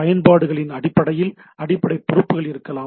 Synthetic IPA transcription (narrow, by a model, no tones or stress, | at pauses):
ɐjɐnpaːɽɯɣɐɭɪnɐɽɪpːɐɽɐjɪl | ɐɽɪpːɐɽɐɪpːʊɾɯpːɯɣɐɭɪɾɯkːɐlaː